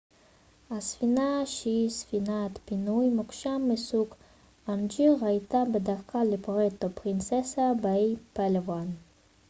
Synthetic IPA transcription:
asfinaʃisfinat̪pinujmukʃamːesuk | and͡ʒiʁajt̪abəd̪akalepoʁet̪opɾinsesabaipalevan

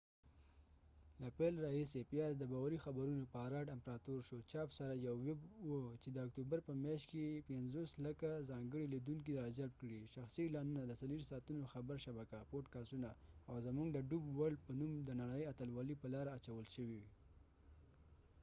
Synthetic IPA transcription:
lapelɾɑɦisepijɑz̬d̪əbɑwaɾixabaɾunopəaɾɑʈampɾɑt̪oɾʃot͡ʃɑpsaɾajawːɪbwət͡ʃed̪əak̚t̪ubaɾpəmjɑʃt̪kepɪnzoslakazɑŋɡəɽilid̪uŋk̬iɾɑd͡ʒalb̚kɽiʃaxsilɑnunad̪əsaliɾisɑt̪unoxabaɾʃabakapoʈkɑsunaawzamuŋɡd̪əɖubwaɽpənumd̪ənaɽajat̪alwɑlipəlɑɾaːt͡ʃawəlʃəwiwi

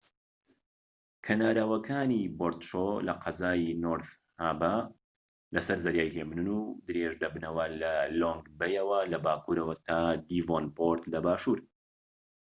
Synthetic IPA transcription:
kʰɐnaːɾawɐkʰaːniboɾt̪ʃolɐqʰɐzaːjinoɾθ | haːba | lɐsɐɾzɐɾjaːjɦemnɨnud̪ɨɾeʒd̪ɐbnɐwɐlɐloŋɡbɛjɐwɐlɐbaːkuɾɐwɐt̪ʰaːd̪iːvonpoɾt̪lɐbaːʃuːɾ

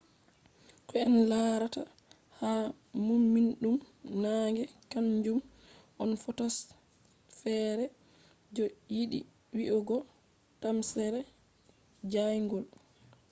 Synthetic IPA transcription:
kɔɛnlaɾata̰ | ha | mumːinɗum | naŋɡɛkaɲd͡ʒum | ʔɔnfɔtɔs | fɛːɾɛ | d͡ʒɔjiɗḭ | wiʔɔɡɔ | tamsɛɾɛ | d͡ʒajŋɡɔl

